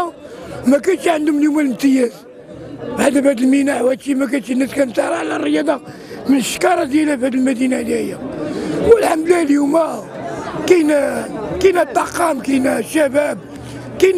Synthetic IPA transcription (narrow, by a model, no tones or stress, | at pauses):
mækænt̪iʕənd̪umljumælmt̪əjæz | bʕad̪æbhæd̪əlmənaʕwæt̪imæk̬ænt̪inːæskænt̪ɑɾˤɑʕlærˤːəjɑd̪ˤɑ | mənʃkɑɾˤɑd̪jælæfhæd̪əlmæd̪inæd̪jæhəjːæwəlħamd̪læljumæ | kænkinæt̪ˤːɑqɑmkinæʃːæbæb̚ | kæn